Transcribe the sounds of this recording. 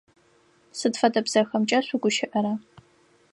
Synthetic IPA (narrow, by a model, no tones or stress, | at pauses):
sɨdfɐdɐbz̥ɐxɐmt͡ʃʼɐɕʷuɡʷʊʃɪʔɐɾɐ